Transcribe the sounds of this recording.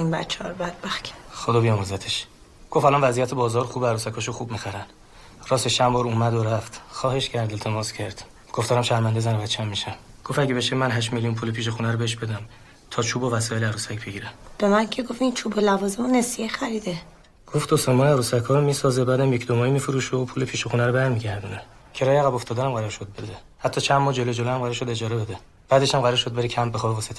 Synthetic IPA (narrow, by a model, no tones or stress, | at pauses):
inbæt͡ʃʰːeɒɾobæd̪̥̚bæxcʰxod̪ɒːbijɒmozæt̪ʰeʃ | ɡ̥o̞fælɒnvæzijæt̪ʰebɒːzɒːɾxuːbeæɾuːsækʰɒːʃoxuːbmixæɾæn | ɾɒːseʃt͡ʃʰːæmbɒːɾuːmæd̪oɾæft̪xɒːhe̞ʃcʰæɾd̪elt̪ʰe̞mɒːscʰæɾd̪̥ | ɡ̥oft̪ɒːɾæmʃæɾmænd̪ezænobæt̪t͡ʃʰːæmːiʃæmɡ̥ofæɟebeʃemænɦæʃ̬melijunpʰulepʰiːʃ̬exunæɾobeheʃ̬be̞d̪æm | t̪ʰɒːt͡ʃʰuːbovæsɒːjelæɾusæcʰb̥eɟiːɾeb̥emæncʰeɡofint͡ʃʰubolævɒːzemonesijexæɾiːd̪e | ɡ̥oft̪osemɒːjeæɾuːsækʰhɒːɾomiːsɒːzebæd̪æmjecʰd̪omɒːjimiːfoɾuːʃopʰuːlepʰiːʃexunæɾobæɾmiɟæɾd̪une | cʰeɾɒːjeæɣæboft̪ʰɒːd̪ænæmɢæɾɒːɾʃo̞d̪̚bed̪e | hæt̪ʰːɒːt͡ʃʰænmɒːd͡ʒe̞lo̞d͡ʒo̞loæmɢæɾɔʃod̪e̞d͡ʒɒːɾebed̪e | b̥æːd̪eʃæmɢæɾɔːɾʃo̞d̪̚beɾicʰæmbexɒːbevɒːset̪ʰ